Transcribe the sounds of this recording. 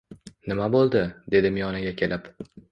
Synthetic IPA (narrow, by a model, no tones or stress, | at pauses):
nɪmabolˠd̪ɪd̪e̞d̪ɪmijɒnaɡʲakʲʰe̞lʔɪp